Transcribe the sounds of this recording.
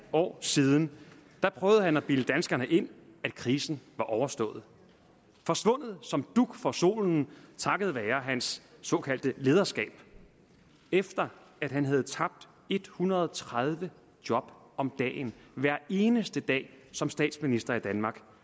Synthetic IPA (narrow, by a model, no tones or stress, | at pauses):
ɒ̰ːsiːð̞ˠn̩d̥æ̈pʰʁœʊðˠəhænæb̥iləd̥ænsɡ̥ɐnəʔe̝n̰æd̥kʰʁiːsn̩ʋɑ̈ʔɒʊɐsd̥ɔ̰̽ːð̞̩ˠ | fɒ̽sʋɔ̽n̰ð̞̩ˠsɒ̽md̥uɡ̥fɒ̽so̝̰ːln̩t͡sʰɑ̈ɡ̥əð̞̩ˠʋɛːɐɦænsːɒ̽kʰæl̰d̥əle̝ːð̞ˠɐsɡ̥ɛ̰ːb̥ | efd̥ɐ | æd̥hænɦæð̞̩ˠt͡sʰɑ̈b̥̚d̥ | e̝d̥hunɐðˠɒt͡sʰʁað̞ˠʋə | d̥jɒ̽b̥ | ɒ̽md̥ɛ̰ːnʋæɐ̰e̝ːnəsd̥əd̥ɛ̰ːsɒ̽msd̥ɛ̰ːd̥sminisd̥ɐid̥ænmɑ̈ːɡ̥